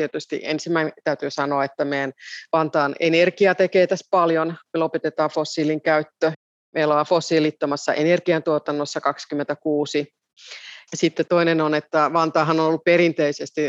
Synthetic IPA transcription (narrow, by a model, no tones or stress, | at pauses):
t̪iet̪yst̪ḭʔḛnsimːæint̪æyt̪yːsɑnoɑet̪ːæmeænʋɑnt̪ɑːnḛnerkiɑt̪ekeːt̪æspɑljonmelopet̪et̪ɑːfosːiːliŋkæyt̪ːø | meloɑfosːiːlit̪ːomɑsːɑ̰ʔenerkiɑnt̪uot̪ɑnːosːɑkɑkskymːent̪ækuːsi | jɑsit̪ːet̪oinenonet̪ːæʋɑnt̪ɑːɦɑnonolːuppeɾint̪eisest̪i